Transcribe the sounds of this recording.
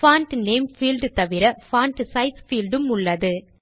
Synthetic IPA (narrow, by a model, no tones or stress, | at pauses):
faːnʈneːmfiːlɖt̪ɐʋɪɾɐfaːɳʈsɐɪsfiːlɖɯmʊɭːɐðɯ